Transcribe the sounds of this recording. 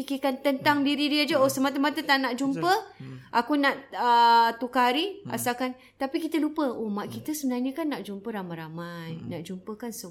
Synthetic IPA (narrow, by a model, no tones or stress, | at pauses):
pikikant̪ənt̪aŋdiɾiɾiad͡ʒəosəmat̪̬əmat̪ət̪aʔnaʔd͡ʒumpəʔakunaʔət̪ukaɦaɾia̰sakan | t̪apikit̪əlupəomaʔkit̪əsəbənarɲakanːaʔd͡ʒumpəɾamajɾamajnaʔd͡ʒumpəkansə